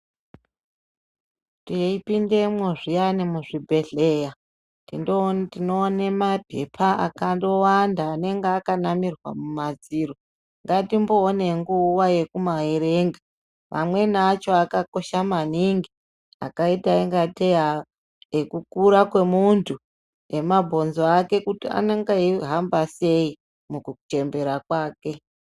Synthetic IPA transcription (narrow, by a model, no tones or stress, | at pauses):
tiipinde̞mwoʐijanimuʐibʱe̞ɮe̞ja | tindotinonemabʱḛpʰaʔa̰kando̞wandaːne̞ŋɡeakanamirwa̰mumad͡ziro | ŋɡatimbo̞ːne̞ŋɡuwaje̞kumaɦeɾe̞ːŋɡa | ʋʔa̰mwe̞naːt͡ʃo̞akako̞ʃamaniŋɡi | a̰kaitaeŋɡate̞a | ekukuɾakwe̞muntʰu | e̞mabʱo̞nzoake̞kutia̰neŋɡaiɦambase̞i | mukuut͡ʃe̞mbe̞ɾakwaːke̞